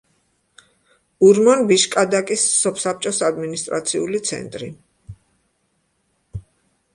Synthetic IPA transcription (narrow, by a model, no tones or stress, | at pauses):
uɾmɔnbiʃkʼad̪akʼisːɔpʰsap̚t͡ʃʼɔsad̪minist̪ʼɾa̰t̪sʰiulit̪sʰɛ̰nt̪ʼɾḭ